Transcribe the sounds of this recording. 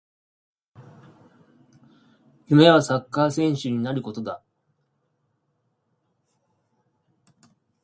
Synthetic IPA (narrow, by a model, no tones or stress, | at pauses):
jɯme̞βasakːaːsẽ̞ɰ̃ɕɨɲ̟inaɾɯ̟ko̞t̪o̞d̪a